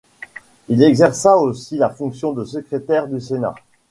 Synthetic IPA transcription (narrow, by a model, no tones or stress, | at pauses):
ilɛɡzɛʁsaosilafɔ̃ksjɔ̃d̪əsəkχet̪ɛʁd̪ysena̰